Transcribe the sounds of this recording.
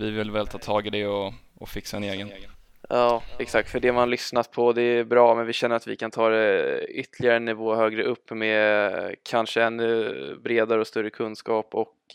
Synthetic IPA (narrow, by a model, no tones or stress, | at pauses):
vɪvɪlvɛlt̪ʰɑːt̪ʰɑːɡɪd̪ɛɔ | ɔfɪksaɛneːɡən | jɑːɛksak̚t̪fœɖɛmanlʏsnat̪̚pʰɔd̪ɛːbɾɑːmɛnvɪɕɛnːəɾat̪vɪ̰kʰant̪ʰɑːd̪ɛʏt̪ːlɪɡaɾənɪvoːhøːɡɾəʔɵpːmɛ | kʰanʂəɛnːɵbɾeːd̪aɾəɔst̪ɵɾːəkʰɵnːskɑːpɔk